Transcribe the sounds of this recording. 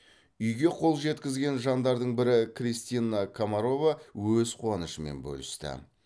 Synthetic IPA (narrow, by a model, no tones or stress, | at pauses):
ʏjɡʲe̞qʰo̞lˠʒe̞t̪kʲɪzɡʲe̞nʒɑnd̪ɑɾd̪əɴbɪɾɪkrist̪inakʰamaɾo̞vawɵzqʰuɑnəʃəme̞̰nbɵ̰lɪst̪ɪ̰